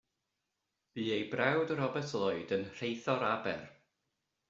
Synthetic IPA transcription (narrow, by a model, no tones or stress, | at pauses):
b̥iːejbrɛwdɾɔbɛtʰlˠɔɨdənr̥ejθɔɾabɛ̰r